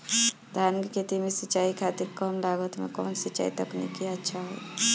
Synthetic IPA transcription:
d̪ʱaːnkket̪imesət͡ʃːaːikʰat̪iɾkɔmlaːɡət̪mḛkɔ̰ːnsət͡ʃa̰ːit̪ɔknḭkiɐtːʃʰaɦo̰ː

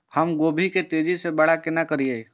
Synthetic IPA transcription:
hɐmɡoːbʱiket̪eːd͡ʒisebɐɽ̤akɪnakəɾieː

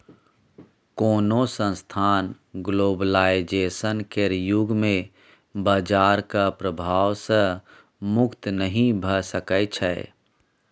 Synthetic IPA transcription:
koːnosə̃nst̪ʰaːn | ɡloːbəlaːɪd͡ʒeːsənkeɾjʊɡmẽ | baːd͡ʒaːɾkapɾəbʱaːwsə̃ | mʊkt̪nəɦĩbʱəsəkət͡ʃʰɛː

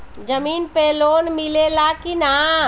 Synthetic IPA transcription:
d͡ʒəmiːnpeloːnmilelakina

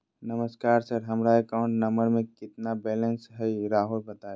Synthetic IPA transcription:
nɐməskaːɾsɐɾɦɐmɾaekaʊ̃ɳʈnɐ̃mbəɾmẽkɪt̪nabɛːlə̃nsɦɛiɾaːɦulbɐt̪aːe

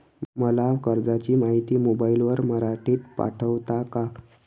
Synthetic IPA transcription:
məlakəɾd͡zat͡ɕiːmaɦit̪iːmobailʋəɾməɾaʈiːt̪pa̰ʈʰəʋt̪aka

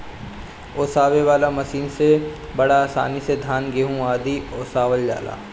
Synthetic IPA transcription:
oːsaːʋeʋaːlamɐsiːnse | bɐɽaːsa̰ːnised̪ʱaːnɡeɦũaːd̪ioːsaːʋəld͡ʒa̰ːla̰ː

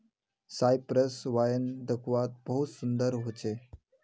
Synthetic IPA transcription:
sajpɾəsʋajənd̪əkʰʋat̪̚bəɦut̪sund̪əɾɦot͡ɕe

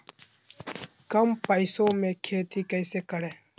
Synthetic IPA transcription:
kɐmpɐisõːmẽːkʰeːt̪ʰiːkɐjseːkɐɽeː

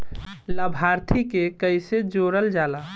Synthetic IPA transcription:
ləbʱaɾt̪ʰikekəɪjsed͡ʒoɾəld͡ʒala

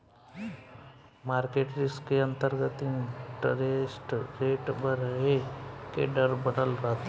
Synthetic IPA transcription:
maːɾkeːʈɾɪskeɐ̃nt̪əɾɡət̪iʈɾesʈɾeːʈbəɾəɦekḛɖəɾbənəlɾɐɦt̪ː

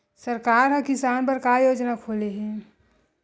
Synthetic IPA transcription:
sɐɾkaːɾɦɐ̃kɪsaːnpɐɾkajoːd͡ʒnakʰoːleɦɛ̃ː

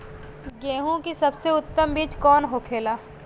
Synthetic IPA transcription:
ɡeːɦũkisɐbseʊt̪ːəmbiːt͡ʃkɔːnɦokʰeːlaː

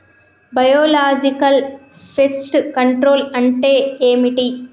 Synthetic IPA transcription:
bɐjoːlaːd͡ʒikɐl | pʰesʈkɐɳʈɾoːlɐɳʈeːeːmiʈi

